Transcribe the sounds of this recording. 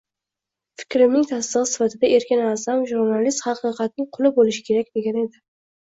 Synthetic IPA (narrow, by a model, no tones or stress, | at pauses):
fɪ̥kʲɾɪmnɪŋt̪ʰaslɨʁɨsɪ̥fat̪ʰɪd̪aʔe̞ɾkʲɪnazamʒuɾnalist̪χɑqɨqʰɑt̪̚nɪŋqʰʊlˠɪbolɪʃɪ̥kʲʰe̞ɾakʲd̪e̞ɡʲane̞d̪ɪ